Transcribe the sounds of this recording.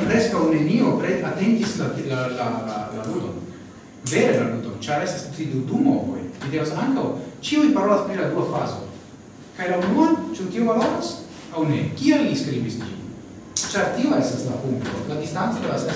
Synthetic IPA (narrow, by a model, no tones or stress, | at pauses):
pɾe̞skawne̞nio̞pɾeateŋɡislalalalalaludo̞̰n | ve̞ɾelaludont͡ʃaɾe̞stastut̪id̪udumoko̰jlid̪e̞vasaŋkawt͡ʃiujpaɾo̞laspɾilad̪uafazo̞̰ | kajlaunuat͡ʃunkiovalo̞ɾas | awne̞kianliskɾibisd͡ʒḭ | t͡ʃaɾtioe̞staslapuŋkto̞̰lad̪istant͡sodevasa